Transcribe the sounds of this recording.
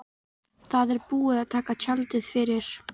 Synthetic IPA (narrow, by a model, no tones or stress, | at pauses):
θaðɛɾpuːɪðaðt̪ʰaːkat͡ɕʰalt̪ɪðfɪɾɪɾ̥